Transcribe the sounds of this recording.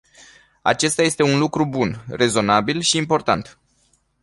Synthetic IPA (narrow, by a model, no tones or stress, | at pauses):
a̰t͡ʃe̞st̪aje̞st̪e̞unlukɾubunre̞zo̞nabilʃiːmpo̞rt̪a̰nt̪